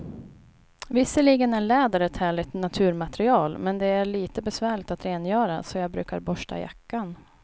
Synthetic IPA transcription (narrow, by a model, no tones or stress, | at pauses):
vɪsːəliːɡənæɭɛːd̪aɾəɛt̪hæːɭɪt̪nat̪ʰʉ̟ːɾmat̪ɾɪɑːlmɛnd̪ɛæɾɭiːt̪əbɛsvæːɭɪk̚t̪at̪ɾeːnjœːɾasɔjɑːbɾʉ̟ːkaɾbɔʂʈa̰ja̰kːan